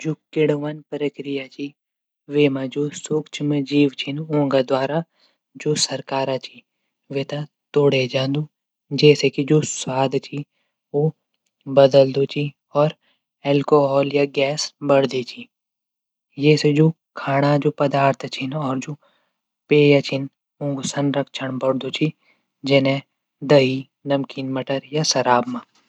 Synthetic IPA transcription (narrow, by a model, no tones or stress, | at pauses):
d͡ʒoːkɪɽʋanpɾəkɾɪjat͡ʃʰi | ʋeːmãd͡ʒoːsukt͡ʃʰmed͡ʒiːʋt͡ʃʰɪnõːŋɡad̪waːɾa | d͡ʒoːsɐɾkaːɾat͡ʃʰi | ʋeːt̪a | t̪oːɽed͡ʒãːnd̪u | d͡ʒɛːsekid͡ʒoːswaːd̪ʱt͡ʃʰi | ʋo | bɐd̪əld̪ot͡ʃʰi | ɔːɾ | ɛːlkoːɦɔːljaɡɛːsbɐɽd̪et͡ʃʰi | jɛːsed͡ʒoː | kʰaːɽ̃ad͡ʒoːpɐd̪aːɾt̪ʰt͡ʃʰɪnɔːɾd͡ʒoː | peːjat͡ʃʰɪn | ʊ̃ŋɡusənɾəkʃʰəɳbɐɽd̪ot͡ʃʰi | d͡ʒenẽ | d̪əɦi | nɐmkiːnmɐʈəɾjasɐɾaːbmãː